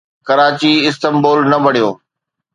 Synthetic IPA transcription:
kɐɾaːt͡ɕiɪst̪əmboːlnɐbɐɽijoː

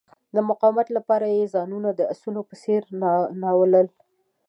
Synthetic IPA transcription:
d̪əmʊqɑwɪmat̪lapɑɾajezɑnunad̪əasunopəseɾnɑwələl

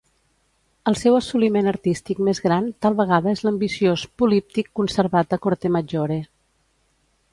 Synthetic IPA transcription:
əlˠsɛwəsulimenəɾt̪ist̪ikmezɣɾant̪alˠβəɣ̞aðəezləmbisiospulip̚t̪ikːunsəɾβat̪əkoɾt̪eməd͡ʒoɾe

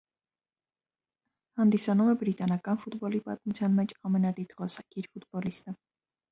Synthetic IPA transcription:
hɑnd̪isɑnumɛbɾit̪ɑnɑkɑnfut̪bɔlipɑ̰t̪̚mut͡sʰjɑnmɛt͡ʃʰɑmɛnɑd̪it̪ʁɔsɑkʰiɾfut̪bɔlist̪ə

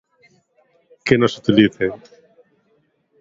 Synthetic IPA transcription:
kenosut̪iliθe

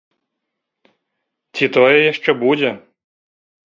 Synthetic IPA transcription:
t͡sʲit̪ɔjɛjaʂt͡ʂɛbud͡zʲɛ

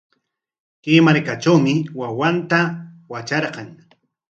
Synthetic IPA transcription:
kemaɾkaʈ͡ʂawmɪwawant̪awat͡ʃɑɾqɑŋ

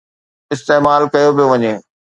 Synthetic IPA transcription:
ɪst̪eːmaːlkɐjobijoʋɐɲeː

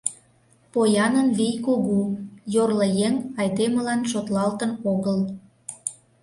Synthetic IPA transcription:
pojɑnənβijkoɣujorləjeŋɑjd̪emə̆lɑnʃot̪lɑlt̪ənoɣəl

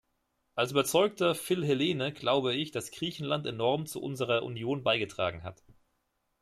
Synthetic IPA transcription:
ʔalsyːbɐt͡sɔʏk̚tɐfɪlɦeleːnəɡ̥laʊbəɪçd̥asɡ̥ʁiːçn̩lantenɔʁmt͡sṵʔʊ̰nzəʁ̞ɐʔṵnjoːnbaɪɡətʁ̥a̰ːɡŋ̩ɦa̰t

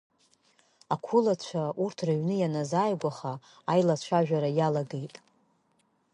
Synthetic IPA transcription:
akʷʰulat͡ɕʷʰaurtʰraɥnɨjanazaːjɡʷaχaː | jlat͡ɕʷʰaʒᶣaɾajalaɡe̞jtʼ

